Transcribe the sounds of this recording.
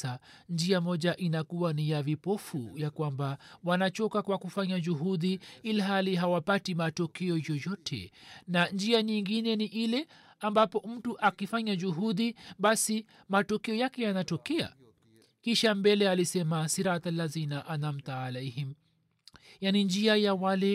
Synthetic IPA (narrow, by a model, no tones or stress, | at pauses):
and͡ʒiamɔʄaʔinakuwanijavipɔfujakwambawanat͡ʃɔkakwakufaɲad͡ʒuɦuðiiliɦaliɦawapatimatɔkɛɔjɔjɔtʰɛ̰nand͡ʒiaɲiŋɡinɛniʔilɛambapɔm̩tuʔakifaɲaʄuɦuðiɓasi | matɔkɛɔjakɛjanatɔkɛa̰ | kiʃambɛlɛalisɛmasiɾat̪alːazinaʔanam̩t̪aːlɛhim | janind͡ʒiajawalɛ